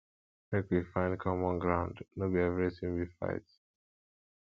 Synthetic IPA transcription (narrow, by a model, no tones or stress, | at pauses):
mekwifãɪ̃nkʰɔmɔ̃nɡɹãʊ̃ndnobiɛvɛɹisĩmbifa̰ɪts